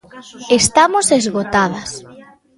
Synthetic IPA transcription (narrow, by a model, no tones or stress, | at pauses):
est̪amosezɣot̪aðɐs